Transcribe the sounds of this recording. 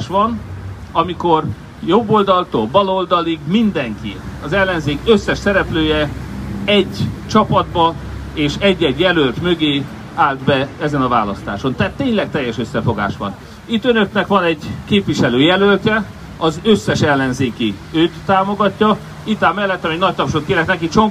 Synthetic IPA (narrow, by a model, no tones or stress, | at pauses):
ʃʋɒnɒmiko̞r | jo̞bːo̞ld̪ɒlt̪oːbɒlo̞ld̪ɒliɡmind̪ɛŋkḭɒzɛlːɛnzeːkøsːɛʃsɛɾɛpløːjɛ | ɛɟt͡ʃɒpɒd̪bɒ | eːʃɛɟːɛɟjɛlølt̪mø̞ɡeː | aːld̪bɛɛzɛnɒvaːlɒst̪a̰ːʃo̞nt̪ɛːt̪ːeːɲlɛk̚t̪ɛjːɛʃøsːɛfo̞ɡa̰ːʃʋɒ̰n | it̪ːønø̞knɛkʋɒnɛɟkeːpʋiʃɛløːjɛlølt̪ɛ | ɒzøsːɛʃɛlːɛnzeːki | øːt̪ːaːmo̞ɡɒcːɒ | it̪aːmɛlːɛt̪ːɒmɛɟnɒc̚t̪ɒpʃot̪keːɾɛknɛkit͡ʃoŋ